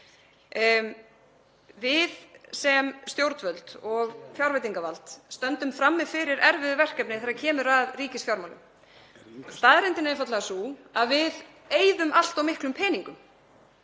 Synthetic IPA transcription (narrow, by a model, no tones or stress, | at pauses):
vɪðsɛmst̪jowɾt̪vœlt̪ɔɣfjawɾvɪjt̪̬iŋkavalt̪st̪œnt̪ʏmfɾamːɪðfɪɾɪɾɛɾvɪðʏvɛr̥kɛpnɪθɛɾaɾcʰɛːmʏɾaðriːcɪsfjawɾmawlʏ̰m | st̪aːðɾɛnt̪ɪnaɪfat̪laɣasuaðvɪð | eːjðʏmʔal̥t̪awmɪhklʏmpʰɛːniŋkʏm